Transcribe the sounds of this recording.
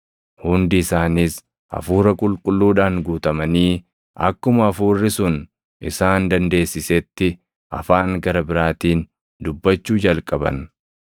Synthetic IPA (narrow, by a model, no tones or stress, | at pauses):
hʊnd̪ɪɪsaːnɪs | ʔɐ̰fuːɾɐkʼʊlkʼʊlːuːᶑaːŋɡuːt̪ɐmɐniː | ɐ̰kːʊmɐɐfuːrːɪsʊn | ʔɪ̰saːnd̪ɐnd̪e̞ːsːɪsɛt̪ːɪ | ʔɐ̰faːŋɡɐɾɐbɪɾaːt̪iːn | d̪ʊbːɐt͡ʃːuːd͡ʒɐlkʼɐbɐ̰n